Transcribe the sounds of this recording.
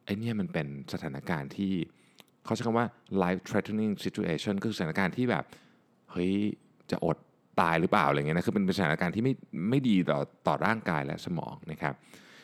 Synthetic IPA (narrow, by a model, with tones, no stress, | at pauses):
ʔa˦˥jni˥˩ɐma˧npe˧nsa˧t̪ʰaː˩˦na˦˥kaː˧nt̪ʰiː˥˩ | kʰt͡ɕʰːkʰːwaː˥˩la˦˥jft̪ʰɾɛ˦˥t̪ʰni˥˩ŋsi˧˥t̪ʰt͡ɕu˧ʔeː˧t͡ɕʰɔ˥˩nkɔ˥˩˧ɯː˧sʰaː˨˦˥kːnt̪ʰiː˥˩bɛ̰ː˨˩p̚ | hɤ˦˥j | t͡ɕa̰˨˩ʔo˨˩t̪̚ː | aː˧jɾɯː˦˥plaː˨˩wʔŋi˦˥˦a˦˥ɯː˧pe˧npe˧nsa˧tʰaː˨˦˥kaː˧t̪ʰiː˥ma˥˩jma˥˩jdiː˧t̪ɔː˨˩t̪ɔː˨˩ɾaː˥˩ŋkaː˧jlɛ̰˦˥sa˧mɔ̰ː˩˦ŋna˦˥kʰa˦˥p̚